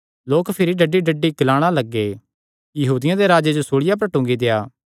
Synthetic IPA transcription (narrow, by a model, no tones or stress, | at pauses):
loːkpʰɪɾiɖɐɖːiɖəɖːiɡlaːɽ̃alɐɡːe | jɐɦuːd̪ɪjãd̪eɾaːd͡ʒed͡ʒosoːɭɪjap̬ɐɾʈʊ̃ːŋɡid̪ejaː